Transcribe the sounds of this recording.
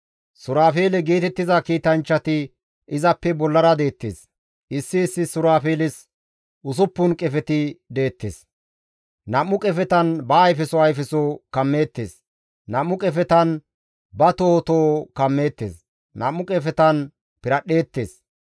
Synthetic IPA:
sʊɾaːfe̞ːlɛɡiːt̪ɛt̪ːɪzɐkiːt̪ɐnt͡ʃːɐt̪ɪ | ɪzɐpːɛbɔlːɐɾɐd̪e̞ːt̪ːḛːs | ʔɪsːɪːsːɪsʊɾaːfe̞ːlɪs | ʔʊs̬ʊpːʊnkʼɛfɛt̪ɪd̪e̞ːt̪ːḛːs | nɐmːʊkʼɛfɛt̪ɐnbɐːjfɛsɔɐjfɛsoːkɐmːeːt̪ːe̞̰ːs | nɐmːʊkʼɛfɛt̪ɐn | bɐt̪oːt̪oːkɐmːe̞ːt̪ːḛːs | nɐmːʊkʼɛfɛt̪ɐn | pɪɾɐɗːe̞ːt̪ːe̞̰ːs

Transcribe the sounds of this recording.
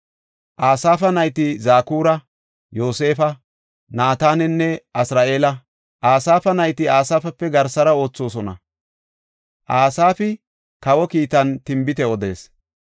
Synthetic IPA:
ʔaːsaːfɐnɐjt̪ɪzaːkuːɾɐ | jo̞ːse̞ːfɐ | naːt̪aːnɛnːɛɐsɾaːʔe̞ːlɐ | ʔaːsaːfɐnɐjt̪ɪaːsaːfɐpːɛɡɐɾsɐɾɐo̞ːt͡sːo̞ːs̬ɔnɐ̰ | ʔaːsaːfɪ | kɐwɔkiːt̪ɐnt̪ɪmbɪt̪ɛɔd̪e̞̰ːs

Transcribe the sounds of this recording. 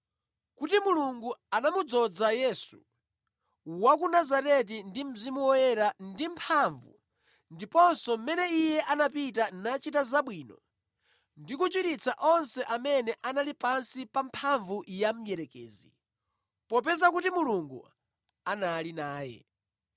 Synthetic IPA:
kutimuluŋɡuanamud͡zɔd͡zajɛsṵ | wakunazaɾɛt̬indim̩zimuwɔjɛɾandimpʰaɱvṵ | ndipɔnsɔm̩mɛnɛijɛʔanapitanat͡ʃitazaɓwiːnɔ̰ | ndikut͡ʃwiɾit͡sʰaʔɔnsɛʔamɛnɛʔanalipansipampʰaɱvujam̩jɛɾɛkɛ̰ːzḭ | pɔp̬ɛzakutimuluŋɡṵ | analinaːjɛ̰

